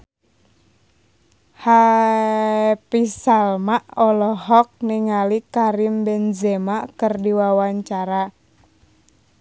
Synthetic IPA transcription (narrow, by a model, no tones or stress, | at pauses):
ha | pisalmaʔɔlɔɦɔk̚niŋalikaɾimbɛnzɛmakərdiwawaɲt͡ʃaɾa